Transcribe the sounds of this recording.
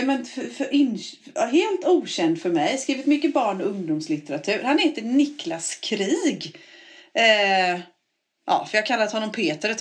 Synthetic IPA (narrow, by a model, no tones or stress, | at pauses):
mɛnffɾɪn | ɦeːlt̪uːɕɛnd̪fœɾmɛjskɾiːvɪt̪mʏkːəbɑːɳɔɵŋd̪ʊmslɪt̪əɾat̪ʰʉ̟ːɾhanheːt̪ənɪklaskʰɾiːɡ | ʔɑ̰ːfœɾjakʰalːat̪hɔnːɔmpʰeːt̪əɾət̪